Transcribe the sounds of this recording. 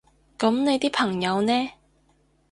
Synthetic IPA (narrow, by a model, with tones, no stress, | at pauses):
kɐ˨˥mne˨˧jt̪iː˥pʰɐ˨˩ŋjɐ˨˧wnɛː˥